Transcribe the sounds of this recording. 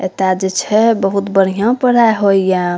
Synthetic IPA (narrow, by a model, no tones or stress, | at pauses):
et̪ad͡ʒet͡ʃʰɛbəɦut̪bəɽ̤ijãpəɽajɦojjã